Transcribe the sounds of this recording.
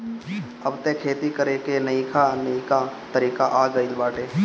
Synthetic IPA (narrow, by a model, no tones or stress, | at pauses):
əbt̪ẽkʰeːt̪ikəɾekenɐĩkʰanɐĩkat̪əɾiːkaʔaːɡəilbaːʈeː